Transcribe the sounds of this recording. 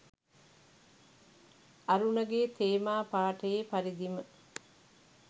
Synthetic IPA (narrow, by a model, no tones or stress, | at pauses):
ɐɾunɐɡeːt̪eːmaːpaːʈəjepaɾid̪imə